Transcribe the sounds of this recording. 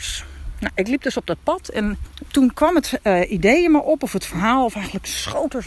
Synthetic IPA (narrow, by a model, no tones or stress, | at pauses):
snoɪklip̚døsɔb̚dɔt̚pɑtʰɛntunkʋɑmətidejəməʔɔpɔfətfəɹɦaːlˠɔfɛjɣən̩ləksχowtəɹ